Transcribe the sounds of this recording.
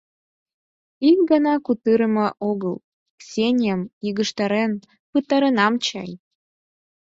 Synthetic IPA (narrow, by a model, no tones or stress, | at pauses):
ik̚ɡɑnɑkut̪ɨɾəməʔoɣəl | ksʲenʲjəmiɣəʃt̪ɑɾen | pɨt̪ɑɾə̆nɑmt͡ɕɑj